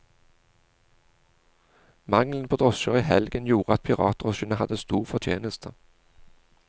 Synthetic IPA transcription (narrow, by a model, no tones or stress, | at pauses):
mɑŋlənpʰoːd̪ʁɔʃəʁiːhɛlɡənjuːʁəɑt̪̚pʰɪʁɑ̰ːt̪̚d̪ʁɔʃənəhɑd̪əst̪uːʁfɔʁt̪ʰjeːnəst̪ʰə